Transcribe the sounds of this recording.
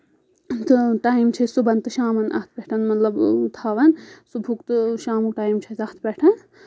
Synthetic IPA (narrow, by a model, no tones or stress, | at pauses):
t̪ɨʈaːjimt͡ʃʰɐsubɐnt̪ɨʃaːmɐnʔɐ̰ht̪ʰbɛʈʰɐnmɐt̪lɐbt̪ʰaːʋɐnsubʱukt̪ɨʃaːmuk̚ʈaːimt͡ʃʰɐt̪ɐht̪ʰbʲɛʈʰɐn